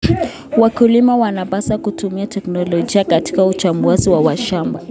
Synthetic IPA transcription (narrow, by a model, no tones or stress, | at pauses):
wakulimawanapasakutumiatɛknɔlɔd͡ʒiakati̥kaut͡ʃambuaziwawaʃamba